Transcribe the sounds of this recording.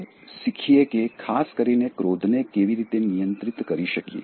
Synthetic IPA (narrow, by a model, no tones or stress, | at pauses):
ʃikʰiekekʰaskəɾinekɾod̪ʱnekeʋiɾit̪enijə̃nt̪ɾit̪kəɾiʃəkjḛ